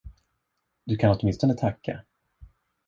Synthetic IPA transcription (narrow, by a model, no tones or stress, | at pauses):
d̪̥ɵkʰanɔt̪mɪnst̪ɔnət̪ʰakʰːa̰